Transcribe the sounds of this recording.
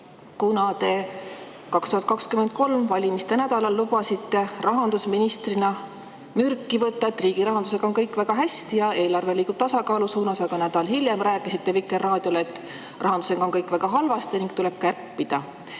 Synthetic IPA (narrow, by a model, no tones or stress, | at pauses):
kunɑt̪e̞ | kɑkst̪uhɑt̪̚ˑkɑkskyme̞nd̪̚ko̞lmvɑlʲimist̪e̞næd̪̥ɑlɑlːub̥ɑsit̪ːe̞rɑɦɑnd̪usminist̪rinɑ | myrkːˑivɤt̪ːˑɑet̪ːˑriːɡ̥iɾɑɦɑnd̪̥use̞ɡ̥ɑo̞nkɤjkːˑvæɡ̥ɑɦæst̪ijɑe̞ːlɑrve̞liːɡub̥̚t̪ɑsɑkɑːlusuːnɑsɑɡ̥ɑnæd̪̥ɑlhiljemræːkːˑisit̪ːe̞vikːˑerːɑːd̪̥ʲjo̞let̪ːˑ | rɑɦɑnd̪use̞ɡ̥ɑo̞nkɤjkˑvæɡ̥ɑɦɑlvɑst̪eniŋɡ̥t̪ule̞b̥̚kærpːid̪̥ɑ